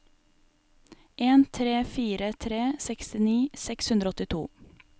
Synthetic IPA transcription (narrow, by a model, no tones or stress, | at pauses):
ʔeːnt̪ʰɾeːfiːɾət̪ʰɾeːsɛkst̪ɪniːsɛkshʉnd̪ɾəɔt̪ɪt̪ʰṵː